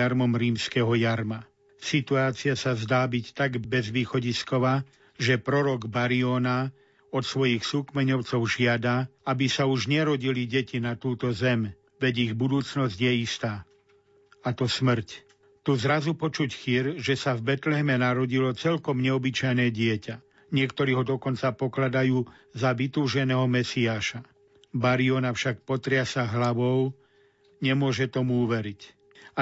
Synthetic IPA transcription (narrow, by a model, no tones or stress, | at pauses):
aɾmɔmɾiːmskɛɦɔjaɾma | sit̪uaːt͡siɪasazd̪aːbict̪aɡbɛzʋiːxɔɟiskɔʋaː | ʒɛpɾɔɾɔɡbaɾiɔna | ɔt̪sʋɔjixsukmɛɲɔʊt͡sɔʊʒɪad̪aabisauʒɲɛɾɔɟiliɟɛcinat̪uːt̪ɔzɛm | ʋɛɟiɣbud̪uːt͡snɔzɟjɛist̪aː | at̪ɔsmr̩c | t̪uzɾazupɔt͡ʃucxiːɾʒɛsavbɛt̪lɛɦɛmɛnaɾɔɟilɔt͡sɛʎkɔmɲɛɔbit͡ʃajnɛːɟɪɛca | ɲɪɛkt̪ɔɾiːɦɔd̪ɔkɔnt͡sapɔklad̪ajuː | zaʋit̪uːʒɛnɛːɦɔmɛsiaːʃa | baɾiɔnafʃak̚pɔt̪ɾɪasaɦlaʋɔʊ | ɲɛmʊɔʒɛt̪ɔmuuʋɛɾic